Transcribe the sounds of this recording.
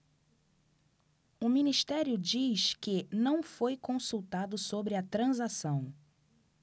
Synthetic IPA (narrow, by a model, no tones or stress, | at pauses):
ʊmĩniʃt̪ɛɾjʊd͡ʒiskɪnɐ̃w̃fojkõsuwt̪ad̪ʊsobɾɪɐt̪ɾɐ̃zasɐ̃w̃